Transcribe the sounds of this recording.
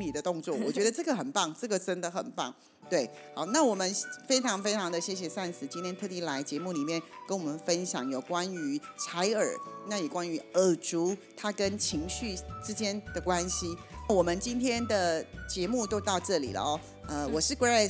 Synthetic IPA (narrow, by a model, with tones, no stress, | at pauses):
li˨˩d̪ə˦t̪ʊ˥˧ŋt͡swɔ˥˩wwɔ˨˩t͡ɕɥɛ˧˥d̪ə˧ʈ͡ʂɤ˥˩ɡə˨˩xə˨˩npɑ˥˩ŋʈ͡ʂɤ˥˩ɡə˨˩ʈ͡ʂə˥nd̪ə˨xə̰˨˩npɑ˥˩ŋ | t̪we˥˩ɪ | xɑ˨˩ʊna˥˩wɔ˨˩mə˦nfe˥ɪʈ͡ʂʰɑ˧˥ŋfe˥ɪʈ͡ʂʰɑ˧˥ŋd̪ə˨˧ɕjɛ˥˩ɕ̬jɛ˨˩sa˥˩nsɹ̩˨˩t͡ɕi˥nt̪ʰjɛ˥nt̪ʰɤ˥˧˩t̪i˥˩la˧˥ɪt͡ɕjɛ˧˥mu˥˩li˨˩mjɛ˥˩nkə˥nwɔ˨˩mə˦nfə˦˥nɕjɑ̰˨˥ŋjo˨˩ʊkwa˥ny˧˥t͡sʰa˧˥ɪə̰˞˨˩na˥˩jo˨˩kwa˥ny˧˥ə˨˩ʈ͡ʂu˧˥t̪ʰa˥kə˦˥nt͡ɕʰi˧˥ŋɕy˥˩ʈ͡ʂɻ̩˥t͡ɕjɛ˥nd̪̥ə˨kwa˦˥nɕi˧˥na˥˩wɔ˨˩mə˦nt͡ɕi˥nt̪ʰjɛ˥nd̪ə˨t͡ɕjɛ˧˥mu˥˧˩t̪o˥ʊt̪ɑ˥˧ʊʈ͡ʂɤ˥˩lḭ˨˩lə̰˦ɔ˧˦ | ə˧wɔ˨˩ʂɻ̩˥˧kwe˥˧a˥˩